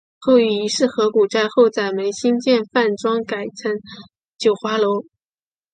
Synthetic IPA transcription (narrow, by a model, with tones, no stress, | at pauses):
xo˥˧ʊy˥˩i˧˥ʂɻ̩˥˩xɤ˧˥ku˨˩ʈ͡ʂa˥˧ɪxo˥˧ʊt͡sa˥˩ɪme˧˥ɪɕi˥nt͡ɕjɛ˥˧nfa˥˩nʈ͡ʂwɑ˥ŋka˨˩ɪt͡sʰə˧˥ŋ | t͡ɕjo˨˩ʊxwa˧˥lo˧˥ʊ